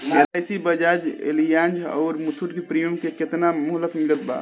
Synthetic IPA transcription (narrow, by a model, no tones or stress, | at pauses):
kelajsibəd͡ʒad͡ʒḛlijand͡ʒɔ̰ːɾmut̪ʰuʈkipɾijumkeket̪namɔɦləkmilət̪̚ba̰